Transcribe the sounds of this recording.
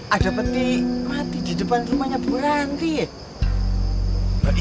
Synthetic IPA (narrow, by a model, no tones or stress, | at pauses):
ʔadapət̪imat̪ididəpansumaɲabuɾaŋt̪i